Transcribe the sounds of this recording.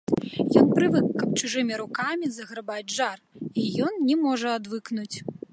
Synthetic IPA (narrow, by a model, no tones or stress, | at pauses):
jɔnpɾɨvɨkːɐp̚t͡ʂɨʐɨmʲiɾukamʲizɐɣɾɐbad͡zʲʐarijɔnnʲɛmɔʐɐad̪vɨknut͡sʲ